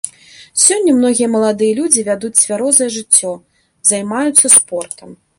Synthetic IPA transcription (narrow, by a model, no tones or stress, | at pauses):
sʲɔnʲːɐmnɔɣʲijɛɐmɐlˠad̪ɨjɐlʲud͡zʲivʲad̪ut͡sʲsʲvʲaɾɔzɐjɛʐɨt͡sʲːɔ | zɐjmajut̪sːɐspɔrt̪ɐm